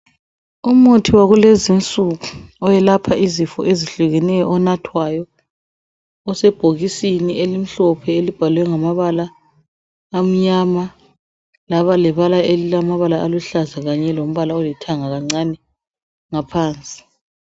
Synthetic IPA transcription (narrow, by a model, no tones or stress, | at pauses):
um̩otʰiwaɣulezint͡sʼuɣuɔjɛlapʰaʔizifɔ̰ʔeziɬuɣɛnɛjɔʔɔnatʰwajɔ | ɔsɛb̥ʱoɣisiniʔelim̩ɬɔpʰɛelib̥ʱalwɛŋamaβalaː | m̩ɲama | laβalɛβalaelilamaβalaːluɬazaɣaɲɛlom̩βalaɔlɛtʰaŋaɣaŋ͡ǀanɛ | ŋapʰaːnt͡sʼi̥